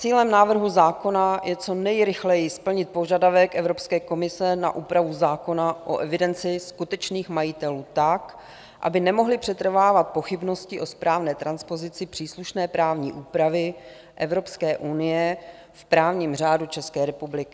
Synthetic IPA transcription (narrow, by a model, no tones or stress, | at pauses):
t͡siːlɛmnaːvr̩ɦuzaːko̞najʔɛt͡so̞nɛjɾɪxlɛjɪspl̩ɲɪt̪̚po̞ʒadavɛkʔɛvɾopskɛːko̞mɪsɛna̰ʔuːpɾavuzaːko̞naʔoʔɛvɪdɛnt͡sɪskut̪ɛt͡ʃniːxmajɪt̪ɛluːt̪ak | ʔa̰bɪnɛmo̞ɦlɪpr̝̥ɛt̪r̩vaːvat̪̚po̞xɪbno̞scɪʔo̞spɾaːvnɛːt̪ɾanspo̞zɪt͡sɪpr̥iːsluʃnɛːpɾaːvɲḭːʔuːpɾavɪ | ʔɛvɾo̞pskɛːʔunɪjɛ | fpɾaːvɲiːmr̝aːdut͡ʃɛskɛːɾɛpublɪkɪ